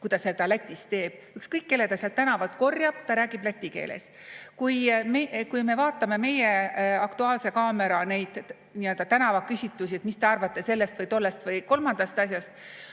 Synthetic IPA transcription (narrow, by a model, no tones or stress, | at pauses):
kujd̪ɑset̪ɑlæt̪ʲːˑist̪e̞ːb̥̚ | ykskɤjkːe̞lːet̪ɑsiɑlt̪ːænɑvɑlt̪ko̞rjɑb̥t̪ɑɾæːɡ̥ib̥læt̪ʲːˑike̞̰ːlḛs | kujmekujme̞vɑːt̪ːˑɑme̞me̞je̞ɑkt̪uɑːlse̞kɑːme̞ɾɑne̞jd̪̥ | niø̞ld̪̥ɑt̪ænɑvɑkysʲit̪ːˑusʲiet̪̚mist̪e̞ɑrvɑt̪ːˑe̞se̞lːe̞st̪vɤjt̪o̞lːest̪vɤjko̞lmɑnd̪̥ɑst̪ɑs̬ʲjɑst̪̚